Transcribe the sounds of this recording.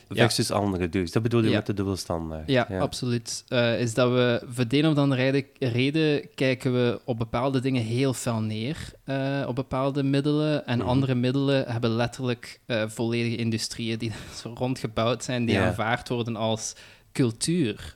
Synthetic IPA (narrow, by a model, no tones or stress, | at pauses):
ɛsəsɑ̰ndəɾədøsdɑd̚bədulˠjəɛtdədɵbəlˠstɑ̰nda̰ːɹjaɑpsolytəɪzdɑtʋəvədeːnɔvdɑnərɛdəreːdəkɛjkənʋəɔb̚bəpaːlˠdədɪŋəɦeːlˠvɪlˠneːrəɔ̰b̚bəpaːlˠdəmɪdələɛnɑ̰ndərəmɪdələɦɛbəlɛtərləkəːv̥oleːdəɣəɪndystrijədirɔntxəbɑwtsɛjndiaːnvaːrtʋɔrdənɑlˠs | kɵlˠtʰyːr